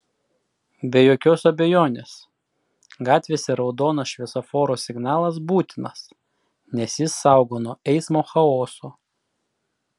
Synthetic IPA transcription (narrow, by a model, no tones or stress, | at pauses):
bʲɛjoːkʲoːsɐbʲɛjoːnʲeːs | ɡɑːt̪ʲʋʲeːsʲɛɾɒʊd̪oːnɐsʃʲʋʲɛsofoːɾoːsʲɪɡnɑːlˠɐs̬buːt̪ʲɪnɐs | nʲɛsjɪsːɑˑʊɡoːnoːɛɪsmoːxɐoːsoː